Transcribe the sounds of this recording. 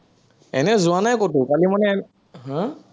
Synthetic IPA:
ɛ̰nɛzʊanajkotʊkalimanɛ | ɦã

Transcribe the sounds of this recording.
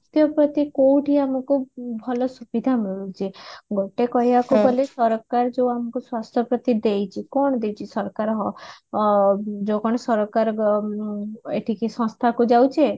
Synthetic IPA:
st̪ʰjɔpɾɔt̪ikowʈʰiamɔkubʱɔlɔsubid̪ʱamiɭut͡ʃʰiɡoʈekɔɦiakubɔlesɔɾkaɾd͡ʒeuamɔkuswast̪ʰjɔpɾɔt̪id̪ejt͡ʃʰikɔɳ̃ɔd̪ejt͡ʃʰisɔɾkaɾɦɔ | d͡ʒokɔɽ̃ɔsɔɾɔkaɾ | ḛʈʰikisɔ̃st̪ʰakud͡ʒawt͡ʃʰe

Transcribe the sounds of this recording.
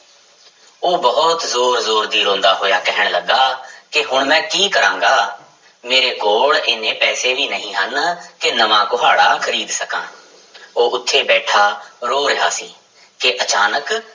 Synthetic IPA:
oːbəɦɔt̪zoːɾzoːɾd̪iːɾõːnd̪aːɦoːjaːkɛɦəɳ̃ləɡːaːkɪɦʊɳmɛ̃ːkiːkəɾãːŋɡaː | meːɾeːkoːɭeːnẽːpɛːseːʋiːnəɦĩːɦənkɪnəmãːkʊɦa̰ːɽaːkʰəɾiːd̪səkã̰ː | oːʔʊt̪ʰːeːbɛːʈʰaːɾoːɾɪɦaːsiː | keʔət͡ʃaːnək

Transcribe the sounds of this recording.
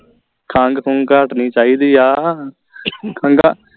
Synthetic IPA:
kʰãŋɡkʰʊŋkaʈnĩːt͡ʃaːiːd̪iːaː | kʰãŋɡaː

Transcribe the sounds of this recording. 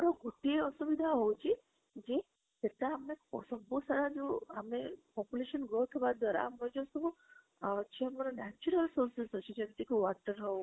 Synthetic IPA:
maɾoɡʱoʈieəsuʋid̪ʱaɦot͡ʃʰe | d͡ʒe | t̪et̪aəmneɔ̰səbosaɾad͡ʒoamepɔpjuleʃənɡot̪ʰʋad̪aɾa̰med͡ʒosu | t͡ʃʰeəmaɾonɛt͡ʃuɾəlsoɾsɪsɦət͡ʃʰed͡ʒemt̪ikoʋaʈəɾɦəõ

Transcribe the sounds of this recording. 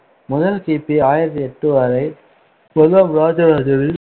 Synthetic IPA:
mʊðɐlkiːpːiaːjɪɾɐt̪ːiɛʈːɯʋaːɾɐɪ | kɔlɐmɾaːd͡ʒɐɾaːd͡ʒɐɾɪl

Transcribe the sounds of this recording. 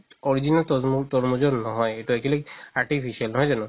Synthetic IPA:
ɔɾid͡ʑinalt̪t̪ɔɾmod͡ʒoɾnɔɦɔjeʈuɛkʰuliaɾʈipʰiʃialnɔɦɔjd͡ʒanu

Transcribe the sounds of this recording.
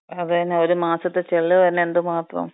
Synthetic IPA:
ɐðɨt̪ɐnːeoɾumaːsɐt̪ːet͡ɕeɭːɨʋɐnːeend̪ɨmaːt̪rɐ̰m

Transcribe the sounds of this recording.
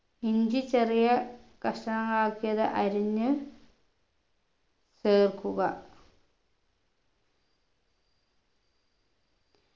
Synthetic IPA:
iɲd͡ʑit͡ɕerijɐkɐʂʈɐnɐŋaːkːijɐðɨʔɐɾiɲːɨ | seːrkuɣɐ

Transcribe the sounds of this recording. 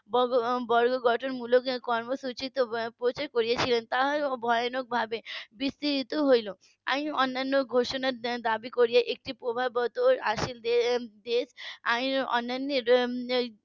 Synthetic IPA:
bɔbɔɾɡoɡɔʈʰɔnmulokkɔɾmosut͡ʃit̪opɾot͡ʃaɾkɔɾijat͡ʃʰilent̪aɦbʱɔjɔnok̚bʱabebist̪iɾit̪oɦojlo | a̰ĩɔnːanːoɡʱoʃɔnad̪abikɔɾijaʔek̚ʈipɾobʱabɔt̪oɾaʃild̪esaĩɔ̰nːanːi

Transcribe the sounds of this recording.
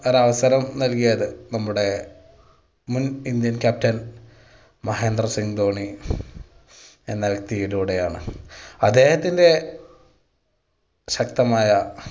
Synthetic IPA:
oɾɐʋɐsɐɾɐmnɐlkijɐðɨnɐmːuɽe̞ | munind̪jɐnkaːp̚tɐn | mɐɦe̞ːnd̪rɐsiŋd̪o̞ːɳi | enːalkt̪ijiluːɽe̞jaːɳɨɐd̪ːe̞ːhɐt̪ːinde̞ | ɕɐkt̪ɐmaːjɐ

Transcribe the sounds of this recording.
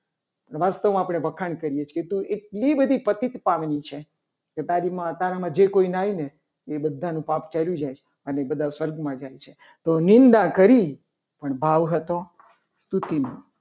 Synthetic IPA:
pəɳʋast̪əʋmãːpɽ̃ebʱəkʰankəɾijet͡ʃʰket̪ũʔeʈ̚libəd̪ʱipət̪it̪paʋnit͡ʃʰe | ket̪aɾimãt̪aɾamãd͡ʒekoinaine | ebəd̪ʱːanũpapt͡ʃaljũd͡ʒajt͡ʃʰe | ənebəd̪ʱasʋəɾɡmãd͡ʒajt͡ʃʰe | t̪onɪnd̪akəɾi | pəɳbʱaʋɦət̪o | st̪ut̪imõ

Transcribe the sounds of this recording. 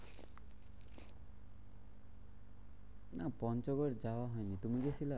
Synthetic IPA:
napɔnt͡ʃɔɡɔɾd͡ʒawaɦɔjnit̪umĩɡesʰila

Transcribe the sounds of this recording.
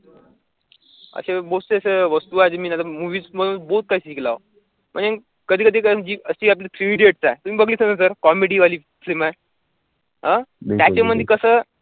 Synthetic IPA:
ə̰sebost̪eəseʋəst̪uːad͡zemiːnat̪amuʋiːd͡zməɽuːbout̪̚kaiːɕikla̰o | m̤əɳd͡ze | kəd̪ʱiːkəd̪ʱiːkd͡ʑiːəsiːap̬ljafʰɾiʋiɖeʈ̚t͡saet̪umiːbəɡliːsə̃əsəɾkɔmeɽiːʋaliː | flima | ɦajat͡ɕeməd̪ʱjekəsəː

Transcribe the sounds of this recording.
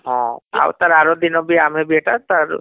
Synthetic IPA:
ɦɔ̃a̰wt̪əɾaːɾod̪inobʱiamɛ̃bʱieʈat̪aɾ

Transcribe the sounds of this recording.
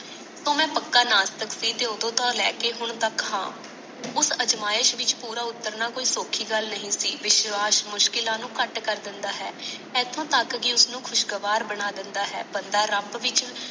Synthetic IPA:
soːmɛ̃ːpəkːaːnaːst̪əksiːt̪eːoːd̪õːt̪ɔːɾlɛːkeːɦʊɳt̪əkɦã̰ː | ʊsəd͡ʒmaːɪʃʋɪt͡ʃpuːɾaːʊt̪ːəɾnaːkoːiːsoːkʰiːɡəlnəɦĩːsiːʋɪʃʋaːʃmʊʃkɪlãːnũːkəʈkəɾd̪ɪnd̪aːɦɛːɛːt̪ʰõːt̪əkɡiːʊsnũːkʰʊʃɡəʋaːɾbəɽaːd̪ɪnd̪aːɦɛ̰ːbənd̪aːɾəmbʋɪt͡ʃ

